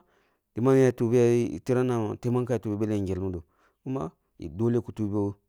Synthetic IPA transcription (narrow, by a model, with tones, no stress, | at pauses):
di˨ma˦n˦ja˨tu˨bi˦ja̰˦˨ti˦ɾa˦na˨te˦ma˦nka˦a˨tu˨bi˨be˦le˦i˨ɡe˨lmu˦do˨ | ku˦ma̰˦ | ḭ˨do˦le˦ku˨tu˦bo˦